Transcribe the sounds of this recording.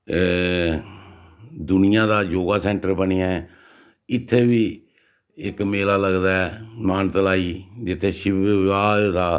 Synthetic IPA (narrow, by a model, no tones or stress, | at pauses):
d̪ʊnɪjãːd̪aːjoːɡaːsɛ̃ːɳʈəɾbəniːaɛ | ɪt̪ʰːeːbiː | ɪkmeːlaːləɡd̪aːɛmaːnt̪əlaːiːd͡ʒɪt̪ʰːeːʃɪʋaːd̪aː